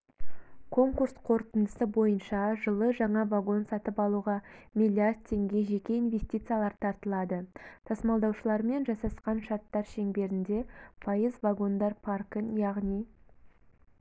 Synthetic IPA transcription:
kʰo̞ŋkuɾsqʰo̞ɾt̪ənd̪əsəbo̞jənʃɑʒəlˠəʒɑɴɑvaɡo̞nsɑt̪əpɑlˠuʁɑmʲilʲːijard̪̚t̪ʲʰːe̞ŋɡʲe̞ʒe̞kʲe̞invʲe̞sʲt̪ʲijt̪sɨjalˠɑɾt̪ʰɑɾt̪əlˠɑd̪ət̪ʰɑsmɑlˠd̪ɑwʃəlˠɑɾme̞nʒɑsɑsqɑnʃɑɾt̪ːɑɾʃe̞ŋbe̞ɾɪnd̪e̞pʰɑjəzvaɡo̞nd̪ɑɾpʰarkənjɑʁnij

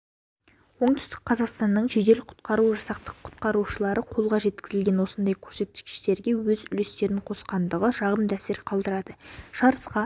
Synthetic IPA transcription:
wo̞ɴt̪ʏ̥st̪ɪk̚qʰɑzɑqst̪ɑnːəɴʒed̪e̞lɪqʰʊ̥t̪qɑɾuʒɑsɑq̚t̪ə̥qʰːʊ̥t̪̚qɑɾuʃəlˠɑɾʔəqʰo̞lˠʁɑʒe̞t̪̚kʲɪzɪlɡʲe̞nwo̞sənd̪ɑjkʲʰɵɾse̞t̪̚ːɪ̥skʲɪ̥ʃt̪e̞ɾɡʲe̞wɵzʏle̞st̪e̞ɾɪɴqʰo̞sqɑnd̪əʁəʒɑʁəmd̪æsɪɾqʰɑlˠd̪əɾɑd̪əʒ̥ɑɾəsqɑ

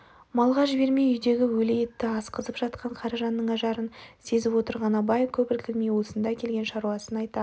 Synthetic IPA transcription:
mɑlˠʁɑʒbe̞ɾmejʏjd̪e̞ɡʲɪwɵle̞je̞t̪ːɪɑsqəzəpʒɑt̪̚qʰɑɴqʰɑɾɑʒɑnːəɴɑʒɑɾənse̞zɪpwo̞t̪əɾʁɑnɑbɑjkʲʰɵpɪlkʲɪlmejwosənd̪ɑkʲʰe̞lɡʲe̞nʃɑɾuɑsənɑjt̪ɑ

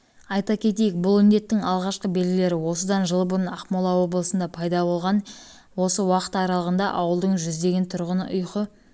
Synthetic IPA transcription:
ɑjt̪ɑkʲʰe̞t̪e̞jɪk̚bʊlˠʏnd̪e̞t̪ːɪŋɑlˠʁɑʃqəbe̞lɡʲɪle̞ɾɪwo̞səd̪ɑnʒəlˠbʊɾənɑqmolˠɑwo̞blˠəsənd̪ɑpʰɑjd̪ɑbo̞lˠʁɑn | wo̞səwɑqə̥t̪ɑɾɑlˠəʁənd̪ɑʔɑwəlˠd̪əɴʒʏzd̪e̞ɡʲe̞nt̪ʰʊɾʁənə̰ʔʊjqə

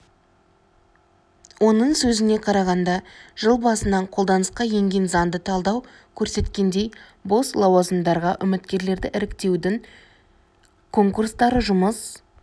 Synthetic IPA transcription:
wo̞nəɴsɵzɪne̞qʰɑɾɑʁɑnd̪ɑʒ̥əlˠbɑsənɑɴqʰo̞lˠd̪ɑnəsqɑje̞ŋɡʲe̞nzɑnd̪ət̪ʰɑlˠd̪ɑw | kʲʰɵɾse̞t̪kʲe̞nd̪e̞j | bo̞slˠɑwɑzəmd̪ɑɾʁɑʔʏmɪt̪kʲe̞ɾle̞ɾd̪ɪʔɪɾɪkt̪e̞wd̪ɪŋ | kʰo̞ŋkurst̪ɑɾəʒʊməs

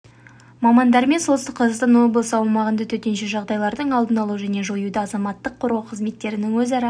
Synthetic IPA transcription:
mɑmɑnd̪ɑɾme̞nsosəqʰːɑzəʁst̪ɑnwo̞blˠəsəɑwmɑʁənd̪ɑt̪ʰɵt̪e̞nʃeʒɑʁd̪ɑjlˠɑɾd̪əɴɑlˠd̪ənɑlˠuʒæne̞ʒo̞jud̪ɑɑzɑmɑt̪ːəqʰːʊɾʁɑwqʰəzme̞t̪ːe̞ɾɪnɪŋwɵzɑɾɑ

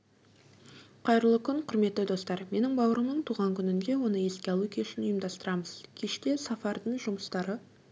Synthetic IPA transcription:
qʰɑjɾəlˠəkʲʰʏŋqʰʊɾme̞t̪ːɪd̪o̞st̪ɑɾme̞nɪŋbɑwəɾəməɴt̪ʰuʁɑŋkʲʰʏnɪnd̪e̞wo̞nəje̞skʲeɑlˠukʲeɪʃɪnʊjəmd̪ɑst̪əɾɑməzkʲʰe̞ʃt̪e̞sɑfɑɾd̪əɴʒʊməst̪ɑɾə

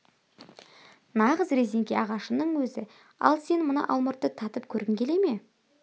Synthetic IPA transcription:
nɑʁəzɾe̞zeŋɡʲeɑʁɑʃənəɴwɵzɪ | ɑ̰lˠse̞nmənɑ̰ʔɑlˠməɾt̪ːət̪ʰɑt̪əp̚kʲʰɵɾɡɪŋkʲʰe̞le̞me̞

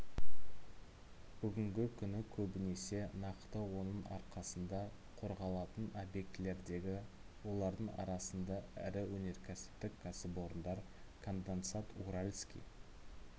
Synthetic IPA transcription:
b̥ʏɡʲɪŋɡʲɪkʲʰʏnɪkʲʰɵbɪne̞se̞nɑqt̪əwo̞nəɴɑ̰ɾqɑsənd̪ɑ | qʰo̞ɾʁɑlˠɑt̪ənobje̞k̚t̪ɪle̞ɾd̪e̞ɡʲɪ | wo̞lˠɑɾd̪əɴɑ̰ɾɑsənd̪ɑæ̰ɾɪwɵne̞ɾkʲʰæsɪ̥p̚t̪ɪkʲʰːæsɪpo̞ɾənd̪ɑɾkʰond̪ent̪sat̪uɾalʲskʲḭj

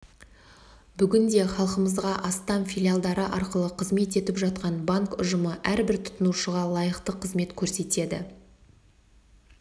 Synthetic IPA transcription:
bʏɡʲɪnd̪e̞χɑlˠqəməzʁɑʔɑst̪ɑnfʲilʲjalˠd̪ɑɾəʔɑɾqəlˠəqʰəzme̞t̪e̞t̪ɪpʒɑt̪̚qɑnbaŋkʊ̰ʒəməʔæɾbɪɾt̪ʰʊ̥t̪ʊnuʃəʁɑlˠɑjəqt̪əqʰəzme̞t̪kʲʰɵɾse̞t̪e̞d̪ɪ̰

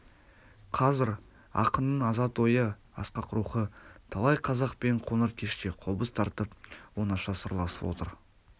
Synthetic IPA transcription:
qʰɑzɪɾ | ɑ̰qənːəɴɑzɑt̪wo̞jə | ɑ̰sqɑqʰʊɾuχət̪ʰɑlˠɑjqʰɑzɑqpeɴqʰo̞nəɾkʲʰe̞ʃt̪e̞qʰobəst̪ʰɑɾt̪əp̚wo̞nɑʃɑsəɾlˠɑsə̥pwo̞̰t̪əɾ

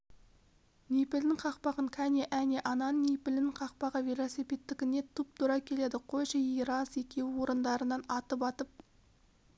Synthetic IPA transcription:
nejpɪld̪ɪŋqʰɑqpɑʁəɴkʲʰæneʔæneʔɑnɑnnejpɪlnɪɴqʰɑqpɑʁəvʲelˠo̞sipʲet̪ːɪkʲɪne̞t̪ʰup̚t̪ʰʊɾɑkʲʰe̞le̞d̪ɪqʰo̞jʃɑjijɾɑse̞kʲʰe̞wɪwo̞ɾənd̪ɑɾənɑnɑt̪əp̬ɑt̪əp̚

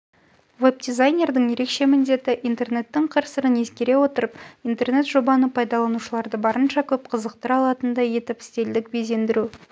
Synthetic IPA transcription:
veb̚d̪izajnʲe̞rd̪əɴje̞ɾe̞kʃe̞mɪnd̪e̞t̪ɪʔint̪e̞rne̞t̪ːɪɴqʰɑɾsəɾəne̞skʲe̞ɾe̞wo̞t̪əɾəpint̪e̞rne̞t̪ʒ̥o̞bɑnəpʰɑjd̪ɑlˠɑnuʃəlˠɑɾd̪əbɑɾənʃɑkʲʰɵp̚qʰəzəqt̪əɾɑlˠɑt̪ənd̪ɑje̞t̪ɪpɪ̥st̪e̞ld̪ɪk̚bez̬e̞nd̪ɪɾu

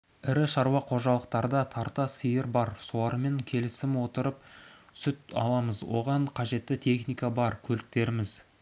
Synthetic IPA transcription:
ɪɾɪʃɑɾwɑqʰo̞ʒɑlˠəq̚t̪ɑɾd̪ɑt̪ʰɑɾt̪ɑsijəɾbɑɾso̞lˠɑɾme̞ŋkʲʰe̞lɪsɪmwo̞t̪əɾəp̚sʏt̪ɑ̰lˠɑməzwo̞̰ʁɑɴqʰɑʒe̞t̪ːɪt̪ʰe̞χnijkɑbɑɾkʲʰɵlɪk̚t̪e̞ɾɪmɪz

